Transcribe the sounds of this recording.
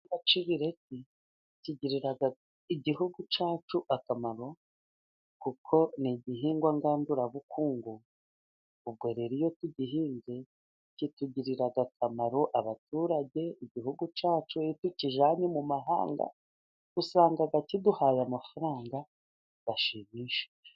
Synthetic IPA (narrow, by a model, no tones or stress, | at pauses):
ŋɡat͡ʃiβiɾeti | ciɟiɾiɾaɡa | iɟiɦuɡut͡ʃaːt͡ʃuʔakamaɾo̞ | kukʰo̞niɟiɦiːŋɡwaŋɡaːnduɾaβukʰuːŋɡu | ub̚ɡwe̞ːɾeɾijo̞tuɟiɦiːɲze̞ | cituɟiɾiɾaɡakʰamaɾo̞ʔaβatuːɾaɟe̞iɟihuɡut͡ʃaːt͡ʃuituciʒaːɲemumaɦa̰ːŋɡa̰ | usaːŋɡaɡaciduhajamafaɾaːŋɡa | βaʃimiːʃe̥